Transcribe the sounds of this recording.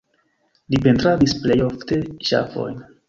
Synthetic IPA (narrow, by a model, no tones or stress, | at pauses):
lipe̞ntɾavisple̞jofte̞ʃa̰fo̞̰jn